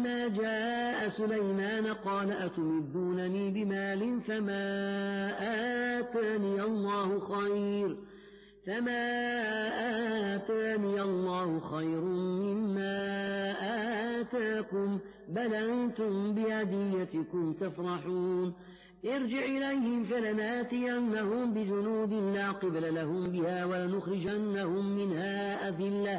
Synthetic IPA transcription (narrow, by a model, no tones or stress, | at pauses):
maːd͡ʒaːʔasʊlajmaːnaqɑːlaʔat̪ʊmɪd̪ːuːnaniːbɪmaːlɪnfamaːʔaːt̪aːniːʔɑlˤːɑːhʊxajɾ | famaːʔaːt̪aːniːʔɑlˤːɑːhʊxajɾmɪmːaːʔaːt̪aːkʊm | balaŋt̪ʊmbɪhad̪ɪjːat̪ɪkʊmt̪afɾˤɑħuːn | ʔɪɾd͡ʒɪʕʔɪlajhɪmfalanaːt̪ɪjanːahʊmbɪd͡ʒʊnuːd̪ɪlːaːqɨblalahʊmbɪhaːwalanʊxɾɪd͡ʒanːahʊmːɪnhaː | ʔad̪ɪlːa